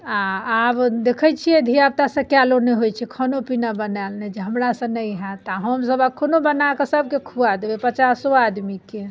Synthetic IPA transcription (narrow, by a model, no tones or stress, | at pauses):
ãabd̪ekʰət͡ʃʰijɛd̪ʱijab̚t̪asə̃kjaloneɦojt͡ʃʰɛkʰənopinabənalned͡ʒeɦəmɾasə̃nəjɦɛ̃t̪aɦəmsəbəkʰonobənakesəbʱkekʰuad̪ebepət͡ʃasoad̪mike